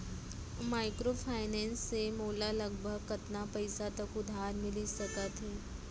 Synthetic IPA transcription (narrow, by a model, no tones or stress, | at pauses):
maːɪkɾofʰaːɪnɛ̃ːnsːemoːlaləɡbʱəɡ̚kɐt̪napəɪsat̪ɐkʊd̪ʱaːɾmɪlisɐkət̪ɦɛː